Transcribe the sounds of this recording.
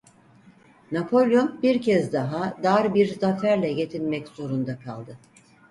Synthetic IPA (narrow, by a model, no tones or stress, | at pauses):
napʰo̞lʲjombiɾcʰɛzd̪aɦad̪aɾbiɾzafæɾlʲɛɟe̞t̪ʰilmɛcz̥o̞ɾund̪akʰa̰lˠd̪ɯ